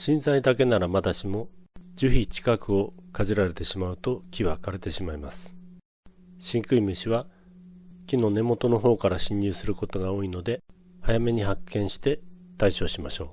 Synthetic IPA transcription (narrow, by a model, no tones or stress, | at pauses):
ɕĩnzaid̪ake̞naɾamad̪aɕimo̞d͡ʑɨçit͡ɕi̥kakɯ̟o̞kaʑiɾaɾe̞t̪e̞ɕimaɯ̟t̪o̞kʲiβakaɾe̞t̪e̞ɕimaimasɨ̥ | ɕĩŋkɯ̟imɯ̟ɕiβa | kʲino̞ne̞mo̞t̪o̞no̞ɦo̞ːkaɾaɕĩɲ̟ːɨːsɨɾɯ̟ko̞t̪o̞ɡao̞ːino̞d̪e̞ | hajame̞ɲ̟iɦakʰːẽ̞ɰ̃ɕi̥t̪e̞t̪aiɕo̞ːɕimaɕo̞ː